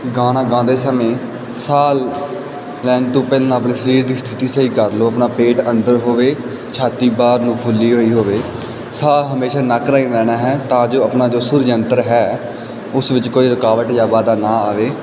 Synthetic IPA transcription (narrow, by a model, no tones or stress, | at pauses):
ɡãːnãːɡãːd̪eːsəmẽː | saːlː | ɛːnt̪õːpɛːlːnaəpneːsəɾiːɾd̪iːst̪ʰɪt̪iːsəiːkəɾloːəpnaːpeːʈənd̪əɾɦoːʋeː | t͡ʃʰaːt̪iːbaːɾnũːpʰʊlːiːɦoːiːɦoːʋeː | saːlɦəmeːʃaːnəkɾaːinɾɛːnaːɦɛːt̪ãːd͡ʒoːəpnaːd͡ʒoːsʊɾd͡ʒənt̪əɾɦɛː | ʊsʋɪt͡ʃkoːiːɾəkaːʋəʈjaːʋaːd̪aːnãːaːʋeː